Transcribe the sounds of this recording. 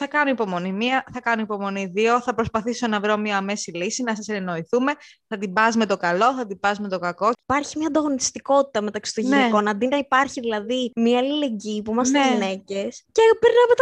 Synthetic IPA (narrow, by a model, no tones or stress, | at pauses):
θɐkɐnoipo̞mo̞nimiɐθɐkɐnoipo̞mo̞niðio̞θɐpɾo̞spɐθiso̞nɐvɾo̞miɐːme̞silisinɐsɐsenno̞iθume̞ | θɐt̪ibɐzme̞t̪o̞kɐlo̞θɐt̪ib̥ɐzme̞t̪o̞kɐko̞pɐɾçimɲɐːnd̪ɐɣo̞nit̪i̥st̪iko̞t̪i̥t̪ɐme̞t̪ɐksi̥t̪oʝnneko̞nɐnd̪inɐipɐɾçiðilɐðimiɐːlile̞ɲɟipuimɐs̬t̪eʝine̞ce̞scepeɾnevot̪